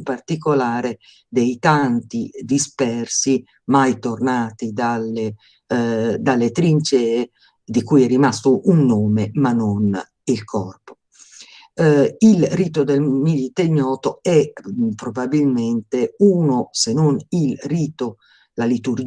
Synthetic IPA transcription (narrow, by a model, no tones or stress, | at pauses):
mpart̪ikolaːɾe | d̪ejt̪ant̪id̪ispɛrsi | majt̪ornaːt̪id̪ale | d̪alːet̪ɾint͡ʃɛːe | d̪ikujɛrːimast̪oʔunːoːmemanːon | ilkʰɔrpo̥ | ilriːt̪od̪elmilit̪eɲjɔːt̪oɛpɾobabilment̪euːnosenonilriːt̪o | lalit̪uɾd͡ʒ